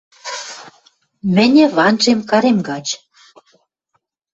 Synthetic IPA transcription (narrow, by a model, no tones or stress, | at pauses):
mɘ̆nʲɘ̆βɑnʒemkɑɾemɡɑt͡ɕ